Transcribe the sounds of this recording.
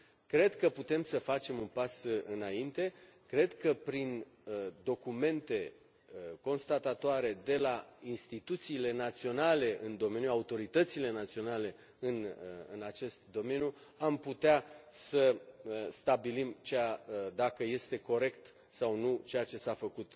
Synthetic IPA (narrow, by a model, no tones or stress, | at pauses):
kɾe̞d̪kəput̪e̞msəfat͡ʃe̞munpasɨnaint̪e̞kɾe̞d̪kəpɾind̪o̞kume̞nt̪e̞ | ko̞nst̪at̪at̪oaɾe̞d̪e̞lainst̪it̪ut̪siːle̞nat̪sio̞nale̞ʔɨnd̪o̞me̞njuaut̪o̞ɾit̪ət̪sile̞nat̪sio̞nale̞ | ɨnɨnat͡ʃe̞st̪d̪o̞me̞nju | amput̪easəst̪abilimt͡ʃead̪akəje̞st̪e̞ko̞ɾe̞kt̪ | sawnut͡ʃejat͡ʃe̞safəkut̪